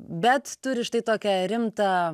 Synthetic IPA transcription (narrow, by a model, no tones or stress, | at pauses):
bʲɛt̪t̪ʊɾʲɪʃt̪ɐɪt̪oːkʲɛɾʲɪmt̪ɐ